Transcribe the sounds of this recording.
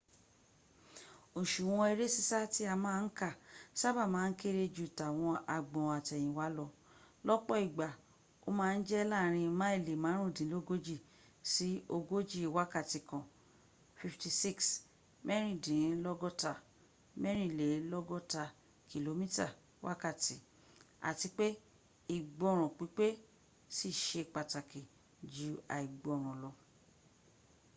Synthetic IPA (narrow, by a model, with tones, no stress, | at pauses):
o˨ʃu˨w̃ɔ̃˧e˧ɾe˦si˦sa˦ti˦a˧mãː˦˧n̩˦ka˦˨sa˦ba˦˨mãː˨˦n̩˦ke˦ɾe˧d͡ʒu˨ta˨w̃ɔ̃˧a˧ɡ͡bɔ̃˨a˨tɛ˨j̃ĩ˨wa˨˦lɔ˧ | lɔ˦k͡pɔ˦i˨ɡ͡ba˨ | o˦mãː˦˧n̩˦d͡ʒɛ˦laː˦˨ɾ̃ĩ˧mã˦e˦˨le˨mãː˨˦ɾ̃ũ˦˨dĩ˨˦lo˦ɡo˦d͡ʒi˦˨ | si˦o˧ɡo˦d͡ʒi˦˨wa˦ka˦˨ti˧kɔ̃˨ | fi˧fti˧si˦˨ks | mɛ˦ɾ̃ĩ˦˨dĩ˨˦lɔ˦ɡɔ˦ta˧˨ | mɛ˦ɾ̃ĩ˦˨le˨˦lɔ˦ɡɔ˦ta˧ | kʰi˨lo˧mĩ˦ta˦˨ | wa̰˦ka˦˨ti˨˦ | a̰˨ti˧k͡pe˦ | i˨ɡ͡bɔ˧˦˨ɾ̃ɔ̃˨k͡pi˨˦k͡pe˦ | si˦˨ʃe˧˨k͡pa˨ta˨ki˨ | d͡ʒu˨˦a̰˨i˨ɡ͡bɔ˧˨ɾ̃ɔ̃˨lɔ˧